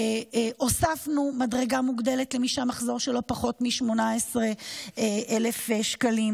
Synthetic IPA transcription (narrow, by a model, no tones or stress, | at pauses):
ʔosafnumadʁeɡamuɡdeletlemiʃamaχzo̞ʁʃelo̞paχo̞tmiʃmo̞naesʁeeʔelefʃkalim